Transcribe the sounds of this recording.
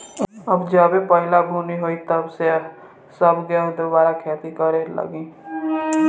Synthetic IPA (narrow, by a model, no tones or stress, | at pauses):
əbd͡ʒaːbepəɦɪlabʱuniɦoːit̪əbse | səbɡẽʊd̪əʋaːɾakʰeːt̪ikəɾelə̰ɡĩː